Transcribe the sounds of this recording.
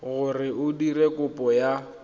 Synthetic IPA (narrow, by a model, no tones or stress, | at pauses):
ɣʊrɪʊdirekʊpʼɔja